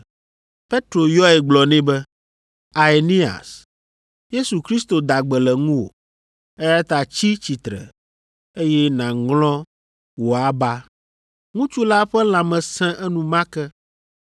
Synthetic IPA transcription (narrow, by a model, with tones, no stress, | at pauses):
pe˦t̪ɾo˨jɔ˦ɛ˨ɡ͡blɔ˨nɛ̃˦bɛ˦ | a˨e˨nĩ˦a̰˨s | je˦su˨kɾi˦st̪o˨d̪a˨ɡ͡bɛ˨lɛ˨ŋũ˦wo̰˨ | ɛ˦ja˦t̪a˨t͡ɕi˦t͡ɕi˨t̪ɾɛ̰˨ | e˦jɛ˦nã˨ŋlɔ̃˦ | wo˨a˦ba˦ | ŋũ˦t͡ʃu˦la˦ɸɛ˦l̃ã˨mɛ̃˨sɛ̃˦ʔɛ˦nũ˨mã˦kɛ˦